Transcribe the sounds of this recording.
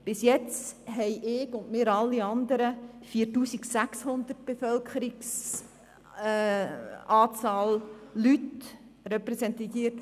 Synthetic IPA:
b̥ɪsjɛt͡stɦɛɪʔɪːɡʊndmɪːɾɑlːiɑnd̪əɾəfiːtuːsiksækshʊnd̪ərt̚b̥efœlkʰəɾiks | ɑːt͡sɑːllyt | rɛpɾɛsɛnt̪iːət

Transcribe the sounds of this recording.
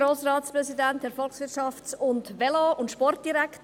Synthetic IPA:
ɾoːsɾɑːtspɾɛsidɛntdɛɾfɔlksʋɪtʃɑft͡sʊntvɛloʊntʃpɔrt̚d̥iɾɛkt

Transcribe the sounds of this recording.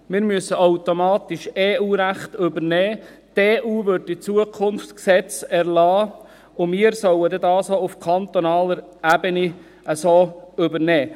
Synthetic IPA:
mɪːɾmyəsəowt̪omɑːt̪ɪʃeːuːɾæχt̪ɵbəɾnɛː | teːʔuːʋøɾdɪt͡suəkʰʊnft͡sksɛt͡sɛɾlɑː | ʊmiːəɾsœwəd̪ɛdɑːsoufkʰɑnt̪onɑːləɾ | æbəni | əsoːʏbəɾnɛː

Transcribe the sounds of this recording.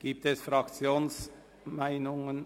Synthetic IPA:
ɡ̥iːp̚t̪ɛsfɾɑkt͡sjoːns | maɪnʊŋən

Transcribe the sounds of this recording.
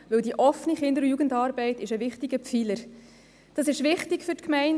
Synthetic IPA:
ʋɵldiʔɔfniχɪndəɾjuːɡəndɑːɾbɛɪtɪʃəvɪχtɪɡəpfiləɾ | d̥ɑsɪʃʋɪχtɪkfʏɾtkmɛɪn

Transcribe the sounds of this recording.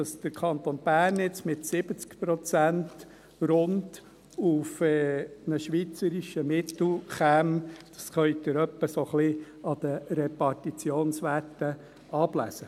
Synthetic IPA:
ɑsd̪̥əɾkʰɑnt̪onb̥æːrnɪt͡smɪtsɪb̥ət͡skpɾɔt͡sænt | ɾʊnd | ufɛnəʃʋit͡səɾiʃəmɪt̪l̩χæmd̥ɑsχœʏd̪ɪɾœpːəsoχli | ɑd̥̪ərɛpɑɾtit͡sjoːnsʋætːə | ɑblæ̰sə

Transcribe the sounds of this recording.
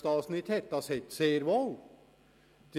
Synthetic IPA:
t̪ɑːsn̩it̪ʰɛt̪ːɑsɛt̪ːseːɾʋɔl | d̪̥

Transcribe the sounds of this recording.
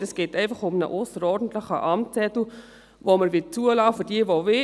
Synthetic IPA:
əsɡ̥eːtɛɪfɑχʊmnə̰ʔosəɾɔrdən̩tləχə̰ʔɑmt͡sɛtl̩ | voməɾvɪt͡suəlɑːfədiəvovɪ

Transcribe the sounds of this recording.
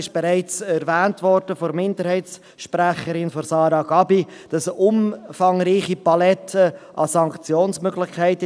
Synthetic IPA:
ɪʃb̥eɾæɪt͡sɛɾvæːntvɔɾd̥əfɔɾmɪndəɾhɛɪts | ʃpræχəɾɪnfɔɾsɑːɾɑɡ̥ɑbi | d̥ɑsʊmfɑŋɾiːχipɑlɛtʰəʔɑsɑŋkt͡sjoːnsmøɡlɪχkʰæɪt

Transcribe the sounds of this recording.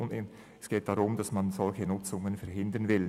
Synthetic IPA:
nɪ | ɛsɡ̥eːt̚d̥aʁʊmd̥asmanzɔlçənʊt͡sʊŋənfɛɐɾhɪndənvɪl

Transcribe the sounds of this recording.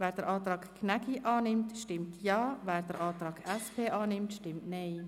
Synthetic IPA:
ʋɛːrt̪ərʔɑːt̪rɑːkʰkʰːnɛkʰiʔɑːnɪmt̪ʃtɪmt̪jɑːʋɛːrt̪ərʔɑːt̪rɑːkʰʔɛspʰeːʔɑːnɪmt̪ʃtɪmt̪nej

